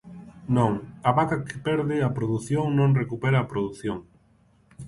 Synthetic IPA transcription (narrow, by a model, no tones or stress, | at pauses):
nõŋɐβakɐkʰɪ̥pɛɾðɪɐpɾoðuθjoŋnõŋrekupɛɾɐːpɾoðuθjoŋ